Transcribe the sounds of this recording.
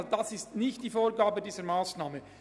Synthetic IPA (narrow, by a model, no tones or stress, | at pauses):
d̥asɪstnɪçtd̥iːfoːɾɡaːbədiːzəɾmaːsnaːmə